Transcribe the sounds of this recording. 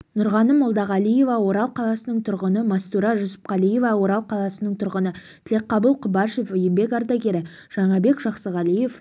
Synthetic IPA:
nʊɾʁɑnəmːʊlˠd̪ɑʁɑlˠije̞vɑwo̞ɾɑlˠqʰɑlˠɑsənəɴt̪ʰʊɾʁənəmɑst̪uɾɑʒʊsə̥p̚qɑlije̞vɑwo̞ɾɑlˠqʰɑlˠɑsənəɴt̪ʰʊɾʁənət̪ʰɪle̞qːɑbəlˠqʰʊbɑʃe̞fɵjɪmbe̞kʲɑɾd̪ɑɡʲe̞ɾɪ | ʒ̥ɑɴɑbe̞kʒɑqsəʁɑlije̞f

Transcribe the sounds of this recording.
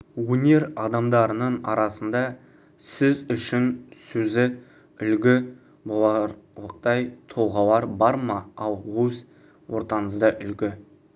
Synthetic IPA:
wɵne̞ɾɑd̪ɑmd̪ɑɾənəɴɑɾɑsənd̪ɑ | sɪzʏʃɪnsɵzɪ | ʏlɡʲɪ | bolˠɑəqt̪ɑjt̪ʰo̞lˠʁɑlˠɑɾbɑɾmɑɑlˠwɵs | wo̞ɾt̪ɑnəzd̪əʔʏlɡʲɪ

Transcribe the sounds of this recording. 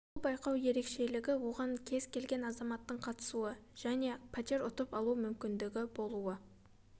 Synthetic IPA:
bʊlˠbɑjqɑwje̞ɾe̞kʃe̞lɪɡʲɪwo̞ʁɑŋkʲʰe̞z̥kʲʰe̞lɡʲe̞nɑzɑmɑt̪ːəɴqʰɑt̪ə̥suəʒ̥æne̞pʰat̪ʲeɾʊt̪əpɑlˠuəmʏmkʲɪnd̪ɪɡʲɪbo̞lˠuə

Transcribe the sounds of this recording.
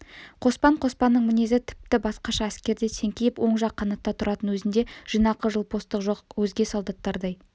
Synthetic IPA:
qʰo̞spɑɴqʰo̞spɑnːəɴmɪne̞zɪt̪ʰɪ̥p̚t̪ɪbɑsqɑʃɑæskʲe̞ɾd̪esʰe̞ŋkʲejɪpwo̞ɴʒɑqʰːɑnɑt̪ːɑt̪ʰʊɾʔɑt̪ənwɵzɪnd̪e̞ʒ̥ənɑqəʒəlˠpʰo̞st̪əqʒoqwɵzɡʲe̞solˠd̪ɑt̪ːɑɾd̪ɑj

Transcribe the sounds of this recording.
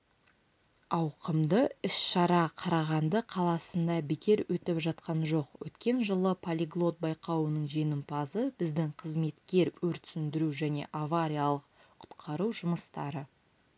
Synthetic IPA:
ɑwqəmd̪əɪsʃɑɾɑqʰɑɾɑʁɑnd̪əqʰɑlˠɑsənd̪ɑbɪkʲe̞ɾwʔɵt̪ɪpʒɑt̪̚qɑnʒo̞qwɵ̰t̪kʲe̞nʒəlˠəpʰolʲiɡlˠo̞t̪̚bɑjqɑwənəɴʒe̞nɪmpɑzəbɪzd̪ɪŋqʰəzme̞t̪kʲe̞ɾwɵɾt̪ʏ̥sɪnd̪ɪɾuʒæne̞̰ʔavaɾʲijalˠəq | qʰʊ̥t̪qʰɑɾuwʒʊməst̪ɑ̰ɾə

